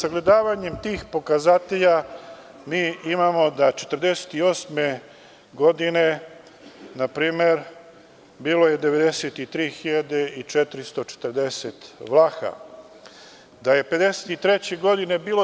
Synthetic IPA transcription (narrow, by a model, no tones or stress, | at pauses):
saɡle̞d̪aːʋaɲemt̪iːxpo̞kazat̪eʎa | miːimamo̞d̪at͡ʃet̪əɾd̪e̞se̥t̪io̞ːsme̞ | ɡo̞d̪ine̞ | napɾiːme̞ɾ | biːlo̞je̞d̪e̞ʋe̞d̪eset̪it̪ɾiːxiʎad̪e̞it͡ʃet̪ɾist̪o̞t͡ʃe̥t̪ɾd̪esḛt̪ʋlˠaxa̰ | d̪aje̞pe̞d̪e̞set̪it̪ɾe̞t͡ɕeɡo̞d̪ine̞biːlo